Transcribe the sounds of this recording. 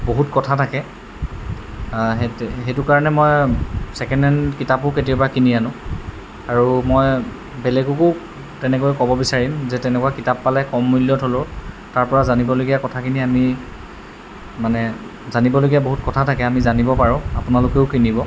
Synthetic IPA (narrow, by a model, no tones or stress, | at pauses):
boɦutkɔtʰatʰakɛ | ɦɦetʊkaɹɔnɛmɔjsɛkɛndɛnkitapʊketiɔbakinijanʊ̃ | aɹumɔj | bɛlɛɡʊkʊ | tɛnɛkojkɔbɔbisaɹimzɛtɛnɛkuwakitapːalɛkɔmːuljɔtɦolo | taɹpɔɹazanibɔloɡijakɔtʰakʰiniami | manɛ | zanibɔloɡijaboɦutkɔtʰatʰakɛamizanibɔpaɹʊ̃apʊnalʊkeʊkinibɔ